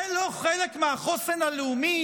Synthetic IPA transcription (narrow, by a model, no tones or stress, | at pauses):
loχelekmeaχosenhaleumi